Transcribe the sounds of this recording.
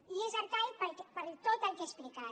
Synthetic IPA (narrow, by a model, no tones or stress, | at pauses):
iezaɾk̪aipəlpəɾt̪ot̪əlkesplika